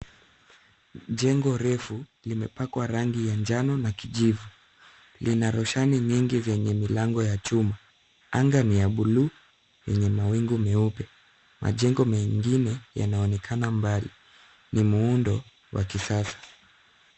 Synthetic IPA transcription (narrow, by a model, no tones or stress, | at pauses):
ʄɛŋɡɔɾɛfulimɛpakwaɾaŋɡijand͡ʒanɔnakiʄivu | linaɾɔʃaniɲiŋɡizɛɲɛmilaŋɡɔjat͡ʃuma | aŋɡanijaɓulu | jɛ̰ɲɛmawiŋɡumɛupɛ | mʔa̰ʄɛŋɡɔmɛŋɡinɛja̰naɔnɛkʰanambalḭ | nimuundɔ | wʔa̰kisasḁ